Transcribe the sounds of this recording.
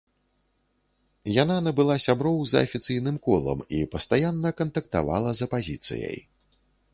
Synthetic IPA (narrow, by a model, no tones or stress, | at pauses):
jananɐbɨlˠasʲabɾɔwzɐ̰ːfʲit̪sɨjnɨmkɔlˠɐ̰mipɐst̪ajanːɐkɐnt̪ɐkt̪a̰va̰lˠɐzɐpazʲit̪sɨ̰jə̰j